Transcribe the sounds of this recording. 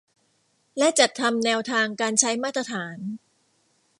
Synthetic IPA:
lɛ˦˥ʔt͡ɕa˨˩t̪ʰːa˧mnɛː˧wt̪ʰaː˧ŋkaː˧nt͡ɕʰa˦˥jmaː˥˩t̪ːɾa˧t̪ʰaː˩˦n

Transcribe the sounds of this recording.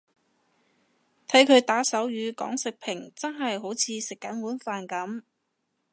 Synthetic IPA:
t̪ʰɐ˨˥jkʰɵ˨˧ɥt̪aː˨˥sɐ˨˥wjyː˨˧kɔ̰ː˨˥ŋsɪ˨k̚pʰɪ˨˩ŋt͡sɐ˥nɦɐ˨jɦo˨˥wt͡sʰiː˨˧sɪ˨kːɐ˨˥nwuː˨˥nfaː˨nkɐ˨˥m

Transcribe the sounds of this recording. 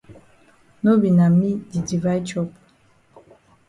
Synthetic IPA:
no˦bi˨na˨mi˦di˨di˨va˦jt͡ʃɔ˦p

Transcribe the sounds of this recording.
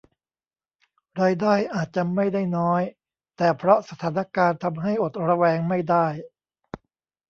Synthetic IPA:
ɾaː˧jdaː˥˩jʔaː˨˩t̪̚t͡ɕa˨˩ma˥˩jdaː˥˩jnɔː˦˥j | t̪ɛː˨˩pʰɾɔ˦˥sa˧t̪ʰaː˩˦na˧kaː˧nt̪ʰa˧mɦa˥˩jʔo˨˩t̪̚ɾa˧wɛː˧ŋma˥˩jdaː˥˩j

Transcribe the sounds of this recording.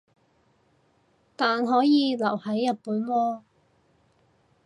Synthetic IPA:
t̪aː˨nɦɔː˨˥jiː˨˧lɐ˨˩whɐ˨˥jːɐ˨t̚puː˨˥nwɔː˧

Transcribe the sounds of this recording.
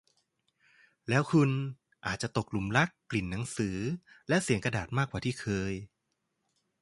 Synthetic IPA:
lɛː˦˥wkʰu˧n | ʔaː˨˩t̪̚t͡ɕa˨˩t̪o˨˩k̚lu˩˦mla˦˥kːli˨˩nːa˩˦ŋsɯː˩˦lɛ˦˥ʔsi˩˦əŋka˧daː˨˩t̪̚maː˥˩kwaː˨˩t̪ʰiː˥˩kʰɤː˧j

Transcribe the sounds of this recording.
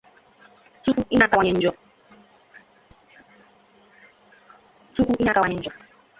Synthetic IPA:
tu˦ku˦ʔi˦na˨ka˦wa˨ɲɛ˨n̩˦d͡ʒɔ˨ | tu˦ku˦ʔi˦na˨ka˨wa˨ɲɛ˨n̩˦d͡ʒɔ˨

